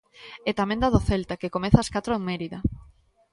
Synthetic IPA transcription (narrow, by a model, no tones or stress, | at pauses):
et̪amẽnd̪aðoθelt̪akekomeθaskat̪ɾoeŋmeɾiðɐ